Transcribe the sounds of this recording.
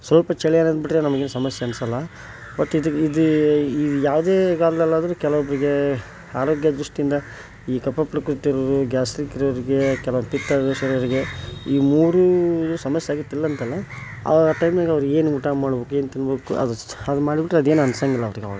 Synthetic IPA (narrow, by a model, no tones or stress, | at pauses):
sʋɐlpɐt͡ʃɛɭjaːnɐnd̪biʈɾenɐmɐɡeːnsɐmɐsjeɐnsɐlːɐ | bɐʈːid̪id̪uidjaːʋd̪e̞ːɡaːlɛlːaːd̪ɐɾukɛlɐʋɔbɐɾiɡe̞ | aːɾoːɡjɐd̪ɾuʂʈijind̪ɐ | iːkɐpːɐpɾɐkɾut̪ːiɾɐɾuɡʲaːsɾikiɾɐɾiɡekɛlɐʋɐpit̪ːɐdeʃɐɾɐɐɾiɡe̞iːmuːɾusɐmɐsjeaːɡit̪ːilːɐnt̪ɐlːɐ | ɐ̰aʈɐjmnaːɡeɐʋɐɾuɡe̞ːnuʈamaːɽbokue̞ːnt̪inboːkṵɐ̰d̪ɐd̪umaːɽibiʈːɾeɐd̪e̞ːnɐnɐsɐŋɡilːɐʋɐɾiɡeɐ̰ʋɐɡ